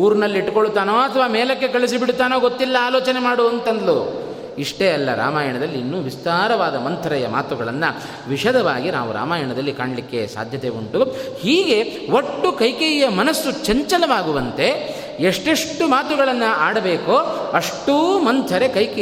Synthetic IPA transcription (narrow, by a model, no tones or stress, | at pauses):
uːɾnɐlːiiʈːkoɭːut̪aːnoːɐt̪ʰɐʋaːmɛːlɐk̬ːe̞kɐɭis̬ibiɽut̪aːnoːɡot̪ːilːɐaːloːt͡ʃɐnemaːɽuɐnt̪ɐnd̪lu | iʂʈeɐlːɐɾa̰ːmaːjɐɳɐd̪ɐlːiinːuːʋist̪aːɾɐʋaːd̪ɐmɐnt̪ʰɐɾɐjɐma̰ːt̪uɡɐɭɐnːɐ | ʋiʃɐd̪ɐʋaːɡina̰ːʋuɾa̰ːmaːjɐɳɐd̪ɐlːikaːɳɐlikːe̞̰sa̰ːd̪ʱjɐt̪e̞uɳʈuhiːɡe̞ʋoʈːukɐjkejɐmɐnɐsːut͡ʃɐɲt͡ʃɐlɐʋaːɡuʋɐnt̪e̞ | eʂʈeʂʈumaːt̪uɡɐɭɐnːɐaːɽɐbe̞ːkoːɐʂʈumɐnt̪ʰɐɾe̞kɐjk